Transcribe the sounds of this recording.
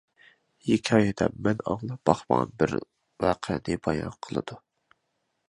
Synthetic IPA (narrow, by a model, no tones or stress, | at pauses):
jekʲʰɑjid̪ɛ̰mːɛnɑŋlˠɑb̥ɑχmɑ̰bɪɾ | wæqʰɛnɨbɑjɑ̰nqʰəlˠɨ̰d̪̥u